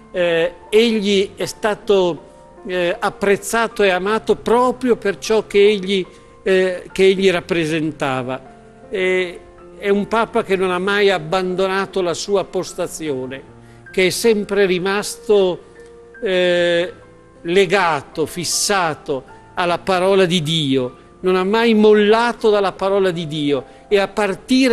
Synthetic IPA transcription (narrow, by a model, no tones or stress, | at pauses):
eʎːiɛst̪aːt̪o | apːɾet̪sːaːt̪oeamaːt̪opɾɔːpɾjopert͡ʃɔk̟ːeeʎːi | keeʎːiɾapːɾezent̪aːva | ɛumpaːpak̟enːonamːajabːand̪onaːt̪olasuːapost̪at̪sːjoːne | k̟eɛsːɛmpɾeɾimast̪o | leɡaːt̪ofisːaːt̪o | alːapaɾɔːlad̪id̪iːo | nonamːajmolːaːt̪od̪alːapaɾɔːlad̪id̪iːo | eapːart̪iːɾ